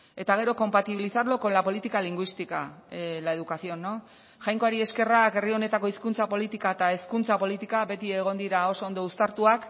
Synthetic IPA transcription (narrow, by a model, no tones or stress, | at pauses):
e̞t̪aɣ̞e̞ɾo̞ko̞mpat̪iβilisaɾlo̞ko̞lapo̞lit̪ikaliŋɡwist̪ikaelae̞ðukasio̞no | ʝajŋko̞aɾie̞ske̞rake̞rio̞ne̞t̪ako̞iskunt͡sapo̞lit̪ikaet̪ae̞skunt͡sapo̞lit̪ikabe̞t̪ie̞ɣ̞o̞nd̪iɾao̞so̞ond̪o̞ust̪aɾt̪uak